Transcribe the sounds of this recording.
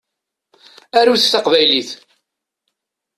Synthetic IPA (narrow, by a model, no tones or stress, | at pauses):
æɾuθθaqvæjliθ